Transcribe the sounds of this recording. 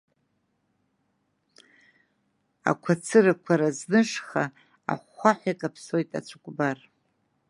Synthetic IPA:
a̰kʷʰat͡sʰɨrakʷʰaɾaznɨʂχa | a̰χʷaħʷakʼapʰso̞jtʼa̰t͡ʃʷʰakʷʼbar

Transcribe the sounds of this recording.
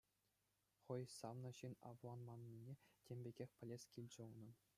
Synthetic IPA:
χɤ̆jsɑʋnɤ̆ɕinɑ̰ʋuɑnmɑnːʲinʲetʲemʲbʲeɡʲexʲpʲɘ̆lʲesʲkʲilʲd͡ʑɘ̆unɤ̆

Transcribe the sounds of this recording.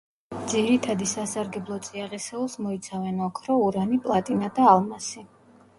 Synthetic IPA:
d̪ziɾit̪ʰad̪isasaɾɡɛblˠɔt̪sʼiaʁisɛulˠsmɔit̪sʰavɛnakʰɾɔuɾanipʼlˠat̪ʼinad̪aːlˠmasi

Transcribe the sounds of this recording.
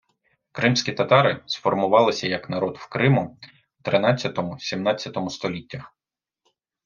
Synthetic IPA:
kɾɪmsʲkʲit̪ɐt̪ɑɾɪsfɔrmʊʋɑlˠɪsʲɐjɐknɐɾɔd̪wkɾɪmʊ | t̪ɾɪnɑt͡sʲːɐt̪ɔmʊsʲimnɑt͡sʲːɐt̪ɔmʊst̪ɔlʲitʲːɐx

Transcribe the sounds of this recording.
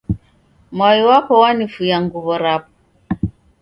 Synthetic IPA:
mwajiwapɔwanifujaŋɡuβɔɾapɔ

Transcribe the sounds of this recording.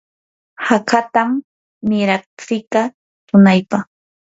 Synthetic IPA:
hakat̪amː | ɪɾɑχt͡sɪkɑ | t̪ʊnajpɑχ

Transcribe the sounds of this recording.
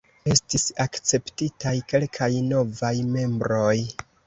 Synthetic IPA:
e̞stisakt͡se̞ptitajke̞lkʰajno̞vajme̞mbɾo̞j

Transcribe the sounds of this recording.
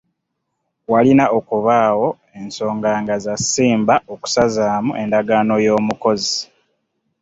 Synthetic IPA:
walinaʔo̞kuβaːwo̞ | e̞nso̞ːŋɡaːŋɡazasiːmbaoku̥sazaːmuʔe̞ndaɡaːno̞jo̞ːmuko̞zi

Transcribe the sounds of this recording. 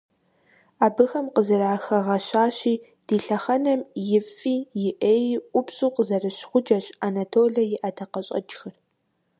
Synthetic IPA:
aːbɨxɐmqəzɐɾaːxɐʁɐɕaːɕiː | d̥iːɬɐχɐnɐmjɪfiːjɪʔeːjʔʷʊpɕʼuːqəzɐrɨɕχʷʊd͡ʒɐɕanɐtʰoːɮɐjɪʔɐdʰɐqɐɕʼɐ̰d͡ʒxɐr

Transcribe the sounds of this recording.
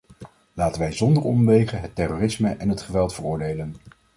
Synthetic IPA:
laːtənʋɛjzɔndərɔmʋejχəɦətɛroːrɪsməʔɛnɦətχəʋɛlˠtfərʊːɹdejlən

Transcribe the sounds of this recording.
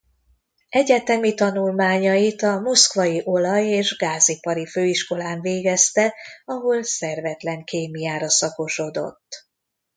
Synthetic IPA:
ɛɟɛt̪ɛmit̪ɒnulmaːɲɒjit̪ɒmo̞skʋɒjiʔo̞lɒjeːʒɡaːzipɒɾiføːiʃko̞laːɱveːɡɛst̪ɛɒɦo̞lsɛrvɛt̪lɛŋkeːmijaːɾɒsɒko̞ʃo̞d̪o̞̰t̪ː

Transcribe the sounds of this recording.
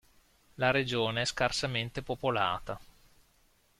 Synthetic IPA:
laɾed͡ʒoːneɛskarsament̪epopola̰ːt̪a

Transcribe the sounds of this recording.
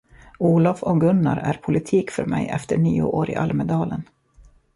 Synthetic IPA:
uːlafɔɡɵnːaɾæɾpʰʊlɪt̪ʰiːkfœɾmɛjʔɛft̪əɳiːʊʔoːɾɪ̰ʔalməd̪ɑːlən

